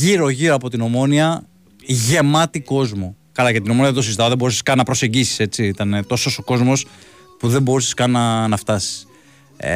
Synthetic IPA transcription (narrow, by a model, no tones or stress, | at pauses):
iɾo̞ʝiɾo̞ɐpo̞t̪ino̞mo̞niɐ | ʝe̞mɐt̪iko̞zmo̞ | kɐlɐcet̪inomo̞niɐðet̪osizit̪ɐoðebo̞ɾuseskɐnɐpɾose̞ɲɟisi̥se̞t͡siit̪ɐnet̪o̞so̞so̞ko̞zmo̞s | puðe̞mbo̞ɾuseskɐnnɐnɐft̪ɐsi̥s